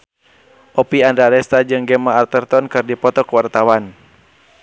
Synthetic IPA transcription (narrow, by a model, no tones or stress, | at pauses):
ʔɔpiandɾaɾɛst̪ad͡ʒɨŋɡɛmaːrt̪ɛrt̪ɔnkɨrdipɔt̪ɔkuwart̪awan